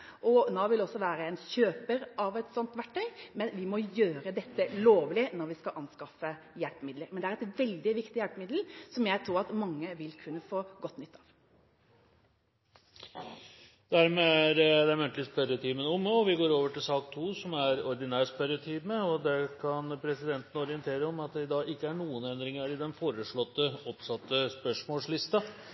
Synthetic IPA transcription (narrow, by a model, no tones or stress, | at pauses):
ʔɔnoːʋɪlɔsːɔʋæːɾəɛːnɕøːpəɾʔɑʋɛt̪sɔnt̪ʋæʈʰːœʏmɛnʋɪmɔjøːɾəd̪ɛt̪ːəloːʋlɪnɔɾʋɪskɑʔɑnskɑfə | jɛlpmɪd̪ləɾmɛnd̪ɛæɾɛt̪ʋɛld̪ɪʋɪkt̪ɪjælpmɪd̪l̩sɔmjæɪt̪ʰɾuːɾɑt̪mɑŋːəʋɪlkʰʉnːəfoːɡɔt̪ːnʏt̪ːɑːʋ | d̪æɾmeːæɾd̪ɛæɾmʉnt̪əlɪspʰæɾət̪ʰiːmənɔmːɔʋɪɡoːɾoːʋəʈɪlsɑːkt̪ʰuːsɔmæɾɔɾd̪ɪnæːspæɾət̪ʰiːməɔd̪ɛkʰɑnpʰɾɛsɪd̪ɛnt̪ən̩ɔɾɪənt̪ʰeːɾəɔmɑt̪̚d̪ɛɪd̪ɑːɡɪkːəæɳuːənɛnd̪ɾɪŋəɾɪd̪ɛnfoːɾəʂɭɔt̪ːəɔpsɑt̪ːəspœʂmoːlslɪst̪ɑ